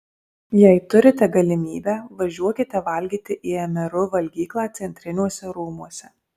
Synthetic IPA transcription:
jɛɪt̪ʊɾʲɪt̪ʲɛɡɐlʲɪmʲiːbʲæːʋɐʒʲuɔkʲɪt̪ʲɛʋɐlʲɡʲiːt̪ʲɪʔiːɛmʲɛɾʊʋɐlʲɡʲiːklˠaːt̪sʲɛnʲt̪ʲɾʲɪnʲuɔsʲɛɾuːmuɔsʲɛ

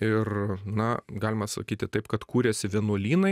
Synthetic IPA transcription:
ɪrnɐɡɑːlʲɪmɐsɐ̰kʲiːt̪ʲɪt̪ɐɪpkɐt̪kuːɾʲɛːsʲɪʋʲiɛnuɔlʲiːnɐɪ

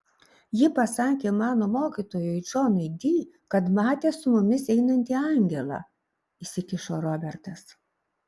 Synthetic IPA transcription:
jɪpɐsɑːkʲeːmɑːnoːmoːkʲiːˑt̪oːjʊɪd͡ʒoːnɐɪd̪ʲiː | kɐt̪mɑːt̪ʲeːsʊmʊmʲɪsɛɪnɐnʲt̪ʲiːɑˑŋʲɡʲɛlˠɑ̰ː | ɪsʲɪkʲɪʃoɾɔbʲɛɾt̪ɐs

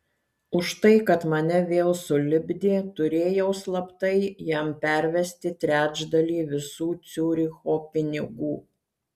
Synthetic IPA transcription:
ʊʃt̪ɐɪkɐt̪mɐnʲɛʋʲeːlˠsʊlʲɪbʲd̪ʲeːt̪ʊɾʲeːjɛʊslˠɐpt̪ɐɪjæmpʲæˑɾʲʋʲɛsʲt̪ʲɪt̪ʲɾʲæːd͡ʒd̪ɐlʲiːʋʲɪsuːt̪sʲuːɾʲɪxoːpʲɪnʲɪɡuː

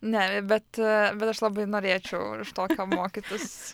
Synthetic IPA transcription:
nʲɛbʲɛt̪bʲɛt̪ɐʃlˠɐbɐɪnoːɾʲeːt͡ʃʲɛʊʃt̪oːkʲoːmoːkʲɪt̪ʊs

